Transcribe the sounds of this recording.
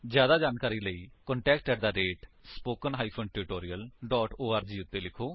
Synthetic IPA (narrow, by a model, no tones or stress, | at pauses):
zjaːd̪aːd͡ʒaːnkaːɾiːləiːkɔɳʈɛːkʈkɛʈd̪aːɾeːʈspoːkənɦaːiːpʰonʈɪɾɪʈoːɾiːəlɖɔːʈoːaːɾd͡ʒiːʊt̪ːeːlɪkʰoː